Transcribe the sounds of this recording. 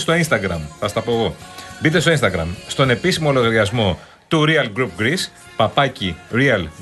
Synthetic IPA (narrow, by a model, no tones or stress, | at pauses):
st̪o̞inst̪ɐɡɾɐmθɐst̪ɐpo̞eɣo̞bit̪e̞st̪oinst̪ɐɡɾɐ̰mst̪o̞ne̞pisimo̞lo̞ɣɐɾʝɐzmo̞ | t̪uɾiɐlɡɾupɡɾis | pɐpɐciɾiɐl